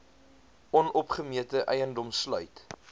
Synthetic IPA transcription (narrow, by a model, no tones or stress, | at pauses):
ɔnɔpχəmiətəʔɛjəndɔmslœɥt